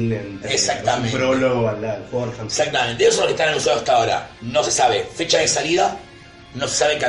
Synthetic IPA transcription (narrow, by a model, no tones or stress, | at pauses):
lenesakt̪amẽpɾololkoɾesak̚t̪ament̪esosoloket̪analusweat̪aoɾa̰nosesaβefet͡ʃaðesaliða | nose̥saβeka